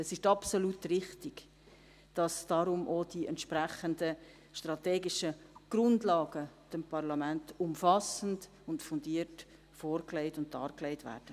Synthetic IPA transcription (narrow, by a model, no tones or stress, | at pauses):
ɛsɪʃtɑpsolutrɪχtɪɡ | d̥ɑsd̥ɑɾʊmʔod̥iɛ̰ntʃpɾæχəndə | ʃtrɑteːɡɪʃəɡ̥ɾʊndlɑːɡəd̥ɛmpʰɑɾlɑmæntʊmfɑsən̩d | ʊntfʊndiət | fɔːɾklɛɪtʊn̚dɑ̰ːɾklɛɪtʋæ̰ːɾd̥ə